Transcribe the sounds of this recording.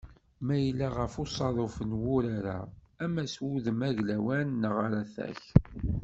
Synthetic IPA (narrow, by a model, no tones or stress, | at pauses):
mæjəlːaʁəfʊsˤɑðˤofənwʊɾaɾa̰ | æmæswuðəmæʝlæwænːəʁaɾaθæ̰ç